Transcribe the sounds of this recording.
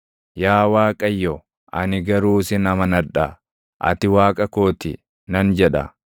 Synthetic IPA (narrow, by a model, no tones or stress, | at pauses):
jaːwaːkʼɐjːɔ | ʔɐnɪɡɐɾuːsɪnɐmɐnɐᶑɐ | ʔɐ̰t̪ɪwaːkʼɐkoːt̪ɪ̰ | nɐnd͡ʒɛᶑɐ̰